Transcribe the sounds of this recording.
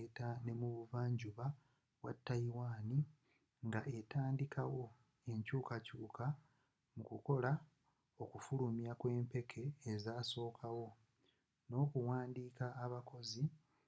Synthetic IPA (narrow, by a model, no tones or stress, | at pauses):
tane̞muβuvaːɲɟuβa | βwa̰tːajiwaːni | ŋɡaʔe̞taːndikʰawo̞ | e̞ɲcuːkacuːkʰa | mukuko̞la | okufulumjakwe̞ːmpe̞kʰe̞ːzaːso̞ːkʰawo̞ | no̞ːkuwaːndiːkaːβako̞zi